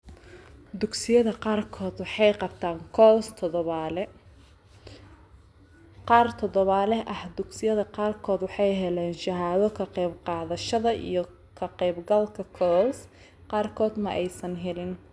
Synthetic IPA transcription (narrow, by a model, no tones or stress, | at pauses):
d̪ʊɡsɪjɐðɐqɑːrkʰɔːd̪wɑħɑjqɑb̚t̪ʰaːŋkʰɔːst̪ʰɔðɔβaːlɛ | qɑːrt̪ʰɔðɔβaːlɛʔɐhd̪ʊɡsɪjɐðɐqɑːrkʰɔːd̪wɑħɑjɦɛlɛːnʃɐɦaːðɔkʰɐqɛjbqɑːðɐʃɐðɐʔḭjɞ | kʰɐqɛjbɡɐlkʰɐkʰɔːs | qɑːrkʰɔːd̪mɐʔɛjsɐnɦɛlɪn